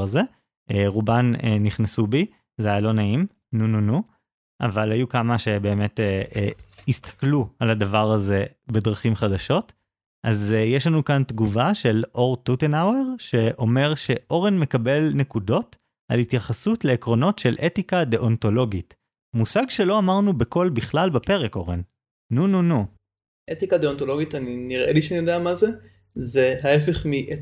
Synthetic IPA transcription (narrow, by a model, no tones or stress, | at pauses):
aze̞ | ʔeʁubaneniχnasubi | zajalo̞naim | nununu | ʔa̰valajukamaʃe̞be̞ːme̞te | ist̪ḁklualhadavaʁaze̞be̞dʁaχimχadaʃo̞t | ʔazjeʃlanukantɡuvaʃe̞lʔo̞ʁtutenaweʁʃe̞ʔo̞me̞ʁʃe̞ʔo̞ʁenme̞kabe̞lne̞kudo̞t | a̰lhitjaχasutle̞ːkʁo̞no̞tʃe̞lʔetikadeʔonto̞lo̞ɡit | musaɡʃe̞lo̞amaʁnube̞ko̞lbiχlalbepe̞ʁeko̞ʁḛnː | ununu | ʔet̪ikad̪eontolo̞ɡitaniniʁʔeliʃenijodeamaze | zeɦaefeχmiʔet